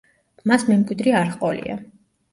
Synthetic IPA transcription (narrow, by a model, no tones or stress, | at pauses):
masmɛmkʼwid̪ɾiaɾχqʼɔlḭa̰